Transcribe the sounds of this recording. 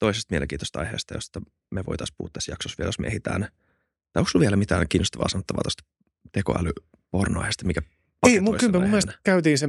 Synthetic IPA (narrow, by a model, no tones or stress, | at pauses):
t̪oisest̪mielḛŋkiːt̪ost̪ɑ̰jhḛːst̪ɑjo̰st̪ɑ | meʋo̰it̪ɑspṵhːt̪t̪æsjɑksosʋiɛljosmḛehit̪æ̰ːn | t̪ɑoksluʋielæmit̪æːŋkiːnːost̪ɑʋɑ̰ːsɑnot̪ːɑʋɑːt̪ost̪ɑ̥ | t̪ekoæ̰ly | pornoɑ̰ihest̪ɑmikæ | pɑeimuiskympæmumesnkæyt̪iːnse